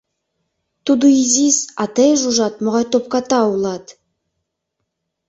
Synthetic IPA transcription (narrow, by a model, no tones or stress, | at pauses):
t̪ud̪uizʲisɑt̪ejʒuʒɑt̪̚moʁɑjt̪op̚kɑt̪ɑulˠɑt̪